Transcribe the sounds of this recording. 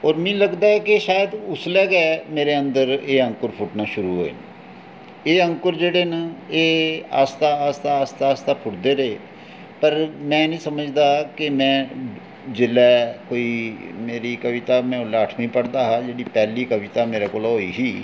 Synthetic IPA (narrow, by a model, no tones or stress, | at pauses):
ɔːɾmɛ̃ːləɡd̪aːɛːkɪʃaːjəd̪ʊslɛːɡɛːmeːɾeːə̃nd̪əɾeːə̃ŋkəɾpʰʊʈnaːʃʊɾuːɦo̰ːḛːn | eːə̃ŋkʊɾd͡ʒeːɽeːnaːeːa̰ːst̪aːst̪aːst̪aːst̪aːpʰʊʈd̪eːɾeeː | pəɾmɛ̃ːnĩːsəməd͡ʒd̪aːkɪmɛ̃ː | d͡ʒɪlɛːkoːiːmeːɾiːkəʋɪt̪aːmɛ̃ːʊlaːəʈʰmĩːpəɽd̪aːɦaːd͡ʒeːɽiːpɛːliːkəʋɪt̪aːmeːɾaːkoːlaɦoːiːɦiː